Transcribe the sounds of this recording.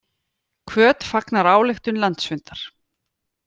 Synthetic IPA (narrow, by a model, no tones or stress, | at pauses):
kʰvœːt̪faknaɾaːwlɪxt̪ʏnlant̪svɪnt̪aɾ̥